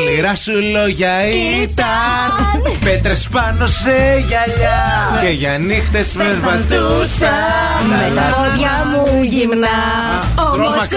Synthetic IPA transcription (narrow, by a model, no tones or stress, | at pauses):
iɾɐsulo̞ʝɐit̪ɐnpet̪ɾespɐno̞seʝɐʎɐ | ceʝɐnixt̪espespɐt̪usɐ | lɐoðʝɐmuʝimnɐ | t̪ɾomɐ